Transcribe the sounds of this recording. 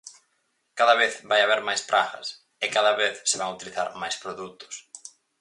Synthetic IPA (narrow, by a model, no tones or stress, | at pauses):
kaðɐβeθβajaβeɾmajspɾʔaɣɐ̰s | ɪkaðɐβeθsɪβaŋut̪iliθa̰ɾmajspɾoðut̪ʊ̥s